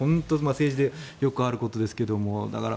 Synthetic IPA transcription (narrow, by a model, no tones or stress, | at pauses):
õ̞nt̪o̞mase̞ːʑid̪e̞jo̞kɯ̟aɾɯ̟ko̞t̪o̞d̪e̞sɨ̥ke̞d̪o̞mo̞d̪a̰kaɾa